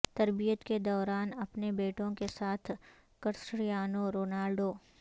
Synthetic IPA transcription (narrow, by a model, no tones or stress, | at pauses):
t̪ɐɾbijət̪ked̪ɔːɾaːnɐpnebeːʈõkesaːt̪ʰ | kɐɾsɽijaːnoɾoːnaːlɖoː